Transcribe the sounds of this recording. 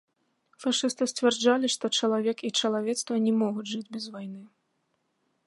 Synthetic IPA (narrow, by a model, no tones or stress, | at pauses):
faʂɨst̪ɨsʲt͡sʲvʲɛrd͡ʐalʲiʂt̪ɔt͡ʂɐlˠavʲɛkit͡ʂɐlˠavʲɛt̪st̪vɐnʲɛmɔɣud͡zʲʐɨd͡zʲbʲɛzvajnɨ